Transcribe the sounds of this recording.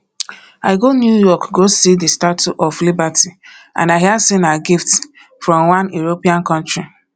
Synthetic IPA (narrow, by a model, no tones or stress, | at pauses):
aɪɡonjujɔkɡosidistatʰuʔɔflibatʰiã̰naɪɦiasinaɡifts | fɹɔ̃mwãnjuɹopiãnkɔ̃ntɹi